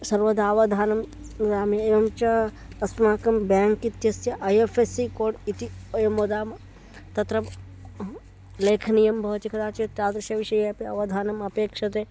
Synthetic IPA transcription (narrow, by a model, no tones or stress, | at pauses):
sɐɾʋɐd̪aːʋɐd̪ʱaːnɐm | ɾaːmeeːʋɐmt͡ʃɐ | ɐsmaːkɐmbaːŋkit̪jɐsjɐʔɐjefʰesikoːɖit̪ijmod̪aːm | t̪ɐt̪ɾɐm | leːkʰnijɐmbʱɐːt͡ʃikʰɐd̪aːt͡ʃit̪aːd̪ɾɐʃjɐʋiʃɐjɐpiɐʋɐd̪ʱaːnɐmɐpeːkʂɐt̪eː